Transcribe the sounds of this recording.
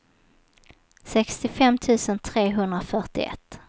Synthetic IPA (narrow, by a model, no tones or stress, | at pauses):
sɛkst̪ɪfɛmːt̪ʰʉ̟ːsənt̪ʰɾeːɦɵnd̪ɾafœʈɪ̰ʔɛ̰t̪ː